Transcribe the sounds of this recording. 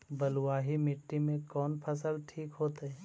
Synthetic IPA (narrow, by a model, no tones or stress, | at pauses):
bəlʊwaːɦimɪʈːimẽkɔːnpʰəsəlʈʰiːkɦoːt̪eɛː